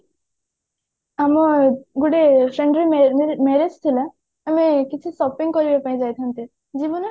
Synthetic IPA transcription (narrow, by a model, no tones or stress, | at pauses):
amɔɡuɽesɾeɳɖɾimɛɾed͡zt̪ʰila | amekit͡ʃʰisɔpiŋkɔɾibepaĩd͡ʒajt̪ʰant̪e | d͡ʑibɔn